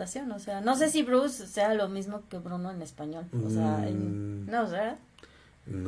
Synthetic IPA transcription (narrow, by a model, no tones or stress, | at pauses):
asjo̞noseano̞s̬e̞siβɾusːe̞alo̞mizmoke̞βɾunoenespaɲo̞loseaḛnnoosea